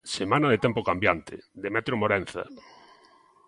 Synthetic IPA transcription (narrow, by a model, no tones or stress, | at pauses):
semãnaðet̪ɛmpokambjant̪ɪ̰ðemɛt̪ɾomoɾɛn̟θa̰